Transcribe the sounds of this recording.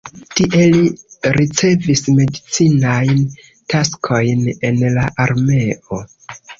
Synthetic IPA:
tiʔe̞liɾit͡se̞visme̞dit͡sinajn | taskʰo̞jne̞nlaʔaɾme̞o̞

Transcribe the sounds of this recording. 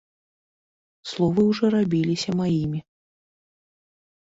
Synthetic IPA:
slˠɔvɨwʐɔɾabʲilʲisʲɐmajimʲi

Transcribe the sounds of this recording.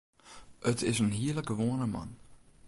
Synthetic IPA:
ʔətʰɪsənɦiələk̚ɡəʋoənəmɑ̰n

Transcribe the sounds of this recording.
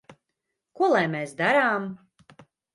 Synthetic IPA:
kuɔlˠajmeːsd̪aɾaːm

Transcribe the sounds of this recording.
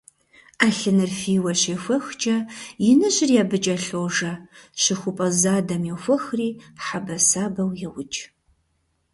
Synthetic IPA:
aːɬɨnɨrfiːwɐɕeːxʷɐxt͡ʃʼɐjɪnɨʑʼɪrjaːbɨt͡ʃʼɐɬoːʒɐʃɪxʷʊpʼɐzaːdɐmjɛwxʷɐxriːħabɐsaːbɐwjɛwʊt͡ʃʼ

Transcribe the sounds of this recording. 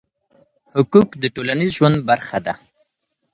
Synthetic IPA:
hʊkukd̪əʈolanizʒwand̪̚baɾxad̪a

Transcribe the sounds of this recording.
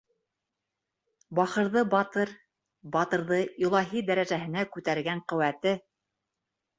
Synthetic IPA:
bɑχɤ̆ɾðɤbɑt̪ɤɾ | bɑt̪ɤ̆ɾðɤilˠɑɦid̪æɾæʒæɦɘ̆nækʉt̪æɾɡæɴqɵ̆wæt̪ɘ

